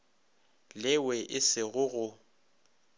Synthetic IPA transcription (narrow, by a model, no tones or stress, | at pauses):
lɪwɛʔɪsɪɣʊɣʊ